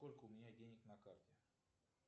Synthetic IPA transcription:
kolʲkəumʲɪnʲadʲenʲɪknakart̪ʲɛ

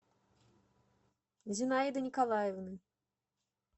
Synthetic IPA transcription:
zʲinajd̪ɨnʲikalˠajɛvnɨ

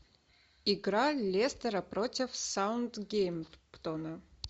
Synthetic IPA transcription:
iɡɾalʲest̪əɾɐpɾotʲɪfsawnd̪ɡʲejmpt̪ɔnɐ

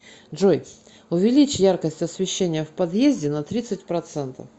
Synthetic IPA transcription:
ʐoj | ʊvʲɪlʲit͡ɕjarkəsʲtʲɐsʲvʲɪɕːenʲɪjəfpɐd̪jezʲdʲɪnɐt̪ɾʲit̪sɨtʲpɾɐt̪sɛnt̪ə̰f

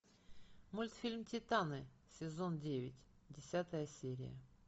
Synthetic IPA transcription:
mulʲt̪fʲilʲmtʲɪt̪anɨ | sʲɪzo̞ndʲevʲɪtʲ | dʲɪsʲat̪əjəsʲeɾʲɪ̰jə̰

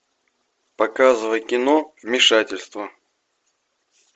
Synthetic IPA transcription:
pɐkazɨvəjkʲɪnovmʲɪʂatʲɪlʲst̪və

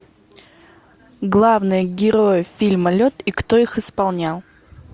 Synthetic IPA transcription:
ɡlˠavnɨjəɡʲɪɾo̞jəfʲilʲməlʲot̪ikt̪o̞ixɨspalˠnʲalˠ

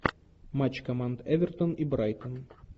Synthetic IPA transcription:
mat͡ɕkɐmand̪ɛvʲɛrt̪onibɾajt̪ən

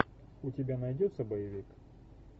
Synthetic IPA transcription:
ʊtʲɪbʲanɐjdʲot̪sːəbɐjɪvʲik

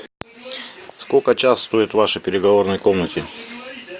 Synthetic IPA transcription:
skokət͡ɕasst̪oɪt̪vaʂəjpʲɪɾʲɪɡɐvornəjkomnətʲɪ

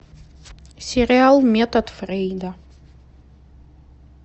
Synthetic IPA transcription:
sʲɪɾʲɪalˠmʲɛt̪ɐt̪frʲejd̪ɐ

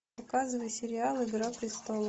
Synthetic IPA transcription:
ɐkazɨvəjsʲɪɾʲɪalˠɪɡɾapɾʲɪst̪olˠ

